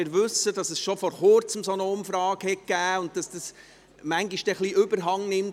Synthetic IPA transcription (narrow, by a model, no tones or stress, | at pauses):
ɪːɾʋɵsːəd̥ɑsɛsʃofɔɾχʊɾt͡səmsonəʊmfɾɑːɡ̥hɛk̚ɡ̥æːʊnt̚d̥ɑsd̥ɑs | mæŋɡiʃd̥ɛχliʔʏbəɾɦɑŋnɪm